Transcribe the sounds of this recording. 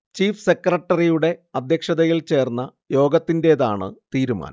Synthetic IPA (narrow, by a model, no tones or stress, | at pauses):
t͡ɕiːfse̞krɐʈːɐrijuɽe̞ɐd̪ʱjɐkʂɐðɐjilt͡ɕe̞ːrnːɐ | jo̞ːɡɐt̪ːinde̞ːðaːɳɨ̰t̪iːɾuma̰ːnɐ̰